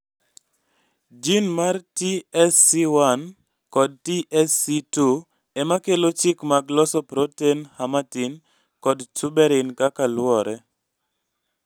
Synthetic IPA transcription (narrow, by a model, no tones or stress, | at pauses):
d͡ʒinmartiɛsːiwan | kɔd̚tiʔɛsitu | ɛmakelot͡ʃɪkmaɡlɔsɔpɾotenhamatin | kɔdt͡ʃubɛɾɪnkakalwɔɾɛ